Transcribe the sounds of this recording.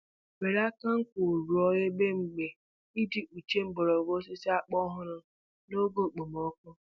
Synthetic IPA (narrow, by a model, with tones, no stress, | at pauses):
we˨ɾa˦ka˦ŋ̩˦kʷo˨ɾu˨ɔ˦je˦ɡ͡be˦ŋ͡m̩˨ɡ͡be˨ | i˦di˨ʔu˨t͡ʃe˦m̩˦bɔ˨ɾɔ˨ɡo˦s̬ɪ˦sɪ˦a˦k͡pɔ˦ɦʊ˦ɾʊ˦ | no˦ɡo˦˨k͡po˨mɔ˦kʊ˦